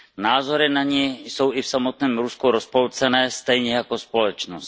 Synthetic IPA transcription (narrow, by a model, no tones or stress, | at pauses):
naːzoɾɪnaɲɛjsowɪfsamot̪nɛːmɾuskuɾospolt͡sɛnɛːst̪ɛjɲɛjakospolɛt͡ʃnost̪